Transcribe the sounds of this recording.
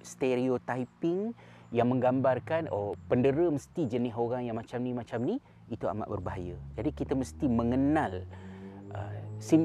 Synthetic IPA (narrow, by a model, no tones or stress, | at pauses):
st̪eɾiot̪aipɪŋ | jaŋmə̃ŋɡambarkanopəndəɾəməst̪id͡ʒənɪɦoɾaŋjaŋmat͡ʃamnĩmat͡ʃamni | it̪ua̰ma̰ʔbərbaɦajəd͡ʒadikit̪əməst̪imə̃ŋənal | ʔə̰sim